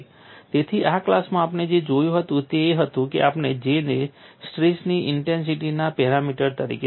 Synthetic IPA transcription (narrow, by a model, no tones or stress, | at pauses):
t̪et̪ʰiʔaklasmãapned͡ʒed͡ʒojũɦət̪ũt̪eːɦət̪ũkḛʔapned͡ʒenesʈɾisniɪɳʈens̬iʈinapɛɾamiʈəɾt̪əɾḭke